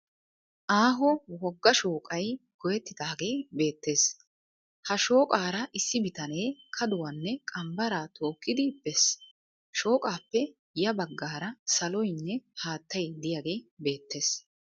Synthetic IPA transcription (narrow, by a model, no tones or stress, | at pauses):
ʔaːɦɔwɔɡːɐʃoːkʼɐjɡɔjɛt̪ːɪd̪aːɡe̞ːbe̞ːt̪ːe̞ːs | hɐʃo̞ːkʼaːɾɐʔɪsːɪbɪt̪ɐneːkʰɐd̪ʊwɐnːɛkʼɐmbɐɾaːt̪ʰo̞ːkːɪd̪ɪbːɛs | ʃo̞ːkʼaːpːɛ | jɐbɐɡːaːɾɐsɐlɔjnːɛhaːt̪ːɐjd̪ɪjaːɡe̞ːbe̞ːt̪ːe̞ːs